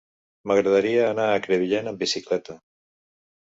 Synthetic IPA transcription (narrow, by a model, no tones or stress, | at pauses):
məɣ̞ɾəðaɾiaːnaːkɾeβiʎenəmbisiklɛt̪ə